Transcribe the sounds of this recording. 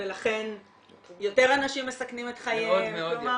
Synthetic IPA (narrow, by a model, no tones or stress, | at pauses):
elaχe̞n | jo̞te̞ʁanaʃimːesaknimetχajedmeoma